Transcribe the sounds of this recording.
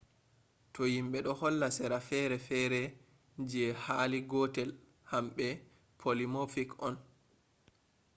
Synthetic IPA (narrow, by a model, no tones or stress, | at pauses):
tɔjimɓɛɗɔhɔlːasɛɾafɛɾɛfɛɾɛ | d͡ʒɛhaliɡɔtɛl | hamɓɛ | pʰolimofikɔn